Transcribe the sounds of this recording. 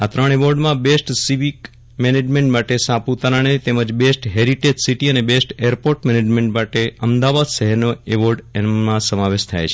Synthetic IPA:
at̪ɾəɳ̃eʋoɾɖmãbesʈsiʋik | mened͡ʒmeɳʈmaʈesãput̪aɾaɳet̪eməd͡ʒbesʈɦeɾiʈed͡ʒsiʈiənebesʈeɾpoɾʈmɛned͡ʒmẽɳʈmaʈeəmd̪aʋad̪ʃəɦɛɾnoeʋoɾɖmãsəmaʋeʃt̪ʰa̰jt͡ʃʰe

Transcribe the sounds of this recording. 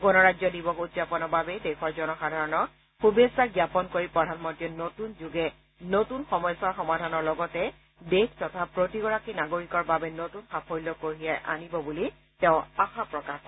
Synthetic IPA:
ɡɔnɔɹazɔdibɔkudzapɔnɔbabɛdɛxɔɹzɔnɔxadʱaɹɔnɔ | xubesaɡjapɔnkoɹipɹɔdʱanmɔntɹiɔnotunzuɡɛ | notunxɔmɔjsaxɔmadʱanɔɹlɔɡɔtɛ | dekʰtɔtʰapɹotiɡɔɹakinaɡoɹikɔɹbabɛnotunxapʰɔjlɔkoɦijajʔa̰nibɔbuli | tɛʊ̃axapɹɔkax

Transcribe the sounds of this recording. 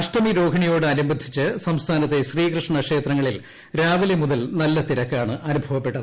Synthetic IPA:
ɐʂʈɐmiɾo̞ːɡʰʱɐɳijo̞ːɽɨɐnumbɐd̪ʱit͡ɕːɨsɐmst̪ʰaːnɐt̪ːe̞ɕriːkrɨʂɳɐkʂe̞ːt̪rɐŋːɐɭil | ɾaːʋɐlɐmuðɐlnɐlːɐt̪iɾɐkːaːɳɨʔɐnubʱɐʋɐpːe̞ʈːɐðɨ

